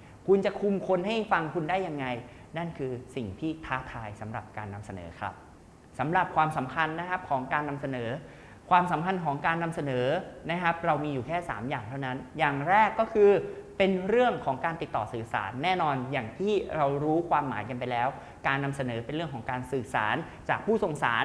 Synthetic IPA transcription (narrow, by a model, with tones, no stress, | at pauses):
kʰu˧nt͡ɕa˨˩kʰu˧mkʰo˧nɦa˥˩jfa˧ŋkʰu˧ndaː˥˩jːa˧ŋːa˧j | na˥˩nkʰɯː˧si˨˩ŋt̪ʰiː˥˩t̪ʰaː˦˥t̪ʰaː˧jsa˩˦mɾa̰˨˩p̚kaː˧nːa˧msa˧nɤ̰ː˩˦kʰɾa̰˦˥p̚ | sa˩˦mɾa˨˩p̚kʰwaː˧msa˩˦mkʰa˧nːa˦˥kʰa˦˥p̚kʰɔː˩˦ŋkaː˧nːa˧msa˧nɤː˩˦ | kʰwaː˧msa˩˦mkʰa˧nkʰɔː˩˦ŋkaː˧nːa˧msa˧nɤː˩˦na˦˥kʰa˦˥p̚ɾa˧wmiː˧juː˨˩kʰɛː˥˩sa̰ː˩˦mjaː˨˩ŋt̪ʰa˥˩wna˦˥njaː˨˩ŋɾɛː˥˩kːɔː˥˩kʰɯː˧pe˧nɾɯ˥˩əŋkʰɔː˩˦ŋkaː˧nt̪i˨˩t̪ːɔː˨˩sɯː˨˩sa̰ː˩˦nːɛː˥˩nɔː˧njaː˨˩ŋt̪ʰiː˥˩ɾa˧wɾuː˦˥kʰwaː˧mːaː˩˦jka˧npa˧jlɛː˦˥w | kaː˧nːa˧msa˧nɤː˩˦pe˧nɾɯ˥˩ŋkʰɔ˩˦ŋkaː˧nsɯː˨˩sa̰ː˩˦n | t͡ɕaː˨˩k̚pʰuː˥˩so˨˩ŋsa̰ː˩˦n